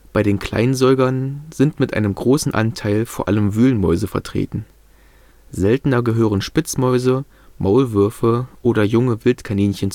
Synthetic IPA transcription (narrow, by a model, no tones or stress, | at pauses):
b̥aɪɾeːnkʰl̥a̰ɪnzɔʏɡɐnz̥ɪntmɪtʔa̰ɪnəmɡʁoːsn̩ʔa̰ntʰaɪlfoːɐʔaləmvyːlənmɔ̰ʏzəfɛ̰ɐtʁ̥ḛːtn̩ | zɛltnɐɡəɦøːʁ̞ənʃpɪt͡smɔʏzə | mʔaʊlvʏɐfəʔoːɾɐjʊŋəvɪltkʰaniːnçənt͡s